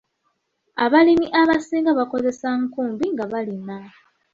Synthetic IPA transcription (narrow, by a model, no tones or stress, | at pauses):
aβalimiʔaβasiːŋɡaβako̞ze̞saŋkuːmbiŋɡaβalina